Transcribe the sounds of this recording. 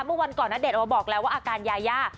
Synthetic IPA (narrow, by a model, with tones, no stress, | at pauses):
mɯ˥˩˨wa˧nkɔː˨˩nːaː˦˥˩de˨˩ʔbɔː˨˩k̚lɛː˦˥waː˥˩ʔːkaː˧njaː˧jaː˥˩